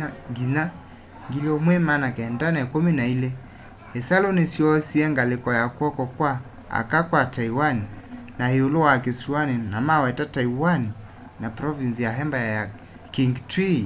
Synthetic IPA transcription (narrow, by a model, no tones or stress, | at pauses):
ɡina | ŋɡilɔmwɛmanakɛndanakuminailɛ | hɛsalonisiɔsiɛŋɡalekɔjakwɔkɔkwa | a̰kakwataiwaninaheolowakesuaninamawɛtataiwani | napɾɔvinsijaɦɛmbajja | kiŋɡtɾi